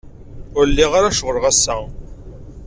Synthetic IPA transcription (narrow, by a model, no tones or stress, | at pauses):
ʊɾlːiʁaɾaʃʁəɾʁæsːæ